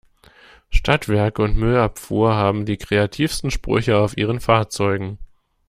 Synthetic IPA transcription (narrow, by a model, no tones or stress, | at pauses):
ʃtʰatv̥ɛɐkəʊntmʏlapfṵːɐɦaːbm̩diːkʁ̥eatʰiːfstn̩ʃpʁ̥ʏ̰çəaʊfʔiːʁənfaːɐt͡sɔʏɡŋ̩